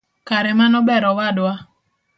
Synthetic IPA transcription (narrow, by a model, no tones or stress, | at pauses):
kaɾɛmanɔbɛɾɔwadwa